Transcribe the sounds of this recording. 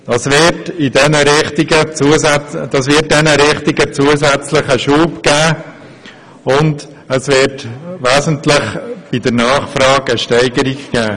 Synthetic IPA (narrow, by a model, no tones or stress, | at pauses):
d̥ɑsvɪtidɛnəɾɪχtiɡət͡suəsdɑsvɪt̚dɛnəɾɪχtiɡət͡suəsɛt͡slɪχəʃuːpɡ̥æː | ʊnd | əsvɪːɾtʋæːzəntlɪχb̥idəɾnɑːχfɾɑːɡəʃtɛɪɡəɾiɡɡ̥æː